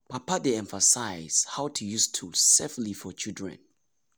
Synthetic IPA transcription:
pʰapadeɛ̃ɱfasaɪz̥hawtʰujustʰuseflifɔt͡ʃʰildɹɛ̰̃n

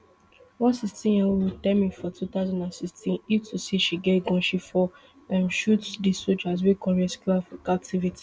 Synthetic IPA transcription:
wɔ̃nsikstĩnjɛwitɛ̃mĩfɔtʰut̪aʊzãndãnsikstʰĩnitʰusiʃiɡeɡɔ̃nʃifɔ | ɛ̃mʃutdisod͡ʒazwikʰɔɹiɛskulafkap̚tʰivitʰi̥

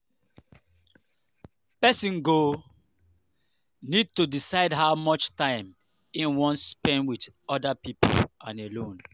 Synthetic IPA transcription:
pɛsĩnɡo | nid̚tudisaɪdɦaʊmɔt͡ʃtãɪ̃m | ĩnwɔ̃nspɛ̃nwid | ɔdapipo̰lʔãnelõn

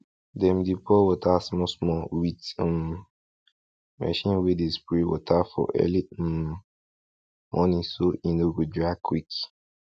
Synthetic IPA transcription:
dɛmdipʰɔwɔtʰasmɔsmɔwitm | mɛ̰ʃĩnwidespɹiwɔtʰafɔ̰ʔɛ̰li | mʔɔ̃nĩsoĩnoɡudɹakʰwik

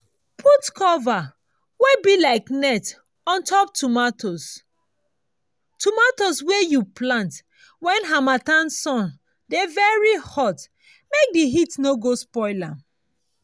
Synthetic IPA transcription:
pʰutkʰɔva | webilaɪknɛt | ɔ̃ntʰɔp̚tumatʰos | tumatoswejuplãnt | wɛ̃nɦamatãnsɔ̃n | devɛɹihɔt | mek̚diɦitnoɡospɔɪla

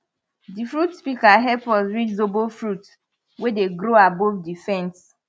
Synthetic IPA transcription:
difɾutspikaɦɛpɔzɹit͡ʃzobofɾut | wedeɡɾoabovdifɛ̃ns

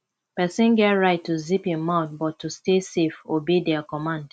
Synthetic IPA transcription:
pɛsĩnɡɛtɹaɪtʰːuziphĩmaʊθ̚bɔtʰːustesefobidɛkɔmãnd̥

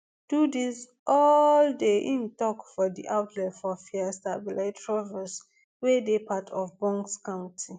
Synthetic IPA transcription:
d̥udis | ʔɔldeʔĩntɔkfɔdḭʔaʊtʰlɛfɔfiastabilatɹɔvɛs | wedepatʰɔfbɔ̃ŋkskãʊ̃ntʰi

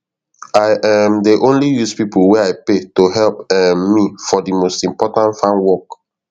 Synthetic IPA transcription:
aɪʔamdiʔõnlijuspipulwɛaɪpetoɦɛlpɛmːifɔdimostĩmpɔtãntfãnwɔk

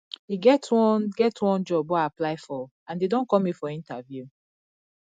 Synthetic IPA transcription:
hiɡɛtwɔ̃nɡɛtwɔ̃nd͡ʒɔbɔaplaɪfɔ | ãndedõnkɔ̃mifɔĩntavju

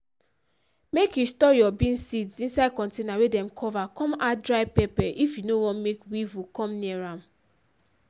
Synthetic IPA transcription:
mekjustɔjɔbĩnsidsĩnsad̚kɔ̃ntenawedɛ̃mkʰɔvakɔ̃madɹaɪpɛpɛʔifjunowɔ̃nmekwivukɔ̃mniɛɹãm

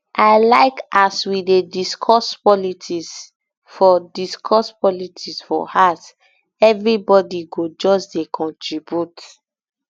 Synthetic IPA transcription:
ʔaɪlaɪkaswidediskʰɔspɔlitʰis | fɔdiskʰɔspɔlitʰisfɔ̰has | ɛvɹibɔdiɡod͡ʒɔsdekʰɔ̃ntɹibjut

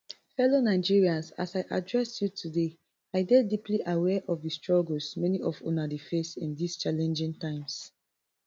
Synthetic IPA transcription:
fɛlonaɪd͡ʒiɹiãnsa̰saɪʔadɹɛsjutʰude | aɪɡɛdipliʔawɛʔɔfdistɹɔɡəlsmɛniʔɔfo̰nadifesĩndist͡ʃalɛ̃nd͡ʒĩŋtãɪ̃ms

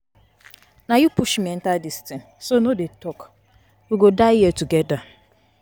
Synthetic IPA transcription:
najupuʃmɛn̩taldistin | sonodetɔk | uɡodaɪjɛtuɡɛda

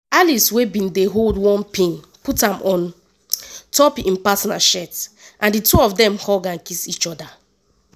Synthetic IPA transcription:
aliswebĩndeɦoldwɔ̃npĩn | putãmʔɔ̃n | tɔpĩnpasɔna̰ʃɛtʔãndituɔfdɛ̃mhɔɡãnkisit͡ʃɔda

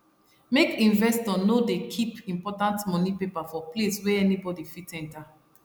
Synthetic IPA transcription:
mekĩnvɛstɔnodekʰipĩmpɔtãntmɔnipepafɔpleswɛɛnibɔdifitɛ̃nta

